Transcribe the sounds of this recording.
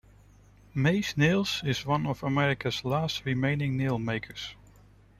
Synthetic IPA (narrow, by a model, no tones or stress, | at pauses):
meɪsnilˠz̥ɪzwʌ̃nɔvəmɛɹɪkəzlaːstɹimẽɪ̃nɪ̃ŋnilˠmeɪkʰəɹs